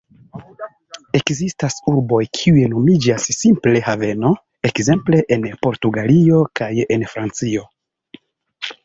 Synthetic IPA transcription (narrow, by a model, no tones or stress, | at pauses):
e̞kzistasuɾbo̞jkʰiujeno̞mid͡ʒasːimple̞have̞no̞ | ekze̞mple̞ʔenpo̞ɾtuɡalio̞kaje̞nfɾant͡sio̞